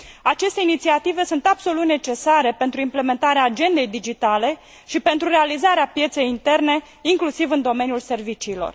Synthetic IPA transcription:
at͡ʃe̞st̪e̞init̪siat̪ive̞sunt̪ab̥so̞lut̪ne̞t͡ʃe̞saɾe̞pe̞nt̪ɾuimple̞me̞nt̪aɾeaːd͡ʒe̞nd̪e̞jd̪id͡ʒit̪ale̞ | ʃipe̞nt̪ɾurealizaɾeapje̞t̪se̞jint̪e̞rne̞ | iŋklusivɨnd̪o̞me̞njulse̞rvit͡ʃiːlo̞̰r

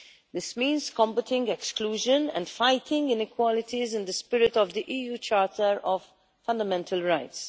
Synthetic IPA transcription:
d̪ɪsmĩːnzkɔ̃mbətɪ̃ŋɡɛkskluːʒə̃nɛ̰̃ndfaɪt̪ʰɪ̃ŋɡɪ̃nɪkwɔlɪt̪izɪ̃nd̪əspɪɾɪt̪ɔvd̪iʔiːjuːt͡ʃaːtʰəɾɔvː | ɐ̃nd̪ɐmɛ̃ntʰəlɹaɪts

